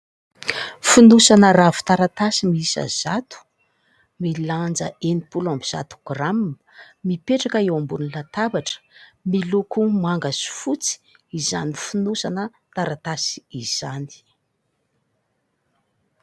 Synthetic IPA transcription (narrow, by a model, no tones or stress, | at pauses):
funusanəravu̥t̪aɾat̪asimiisə̰z̥at̪u̥ | miland͡zəenipulambiz̥a̰t̪u̥ɡ̥ram | mipeʈ͡ʂakəewambunilat̪abaʈ͡ʂə̥milukumaŋɡasi̥fut͡si̥ | izanifunusanə | t̪aɾat̪asi̥iz̥ani̥